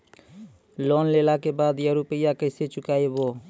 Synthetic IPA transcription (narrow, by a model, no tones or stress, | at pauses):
loːnleːlakebaːd̪jəɾuːpəjakəset͡ʃʊkaːeboː